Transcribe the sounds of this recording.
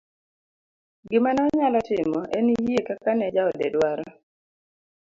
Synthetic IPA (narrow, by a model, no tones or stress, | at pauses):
ɡɪmanɔɲalɔtɪmɔʔenijekakanɛd͡ʒaɔdɛ̰dwaɾɔ